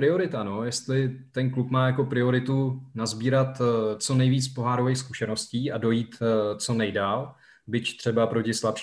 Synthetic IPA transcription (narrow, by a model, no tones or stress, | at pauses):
ɾɪo̞ɾɪt̪ano̞jɛst̪lɪt̪ɛnklupmaːjako̞pɾɪo̞ɾɪt̪unazbiːɾat̪t͡so̞nɛjviːt͡spo̞ɦaːɾovejxs̬kuʃɛno̞sciːʔado̞jiːt̪t͡so̞nɛjdaːl | bɪct̪r̝̥ɛbapɾo̞cɪslapʃ